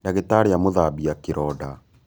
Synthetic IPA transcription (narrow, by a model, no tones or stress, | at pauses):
ndaɣetaɾeamoðabiakeɾɔda